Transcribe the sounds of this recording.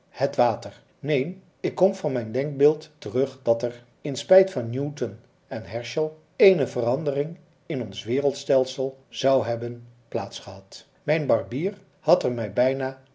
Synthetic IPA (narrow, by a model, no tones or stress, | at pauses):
hətʋaːtəɹ | nejn | ɪkːɔmvɑnmɛjndɛŋk̚bɪːlˠttərɵχdɑtɛɹ | ɪnspɛjtfɑnːjutən | ɛnɦɛɹʃəlˠ | ejnəvərɑndərɪŋ | ɪnɔnsʋɪːrəlˠtstɛlˠsəlˠz̥ɑwɦɛbənplaːtsχəɦɑt | mɛjnbɑɹbiːɹ | hɑtɛɹmɛjbɛjnaː